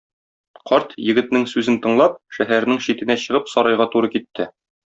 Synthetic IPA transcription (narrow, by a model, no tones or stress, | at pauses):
qɒɾt̪jɘ̆ɡɘ̆t̪nɘŋsʉzɘnt̪ɤ̆ɴlˠɑp̚ʃæɦæɾ̆nɘŋɕit̪ɘ̆næɕɤ̆ʁɤpsɒɾɑjʁɑt̪uɾɤkit̪ːɘ